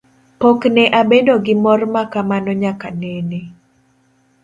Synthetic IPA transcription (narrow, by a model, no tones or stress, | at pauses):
pɔknɛʔabedoɡɪmɔrmakamanɔɲakanene